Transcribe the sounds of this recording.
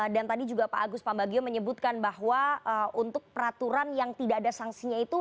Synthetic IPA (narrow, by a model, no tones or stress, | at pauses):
dant̪adid͡ʒuɡapa̰ʔːɡʊspambaɡioməɲəbut̪̚kanbaɦwaəʔunt̪ʊk̚pəɾat̪uɾanjaŋt̪idaːdasaŋsiɲait̪u